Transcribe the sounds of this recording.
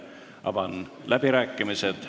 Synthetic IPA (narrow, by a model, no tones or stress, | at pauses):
ɑ̰vɑnlʔæb̥iɾæːkːˑimised̪̥